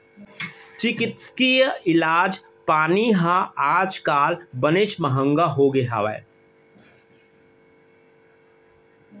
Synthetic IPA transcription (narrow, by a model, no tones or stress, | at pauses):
t͡ʃɪkɪt̪skijɪlaːd͡ʒ | paːniɦãaːd͡ʒkaːlbənet͡ʃməɦə̃ŋɡaɦoɡeɦa̰ːʋɛ̰